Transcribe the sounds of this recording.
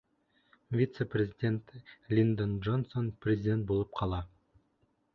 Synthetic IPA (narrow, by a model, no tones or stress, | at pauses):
vʲit̪seprʲe̞zʲidʲe̞nt̪ɪlʲind̪onʒo̞nsonprʲe̞zʲidʲe̞nt̪̚bo̞lˠəp̚qʰɑlˠɑ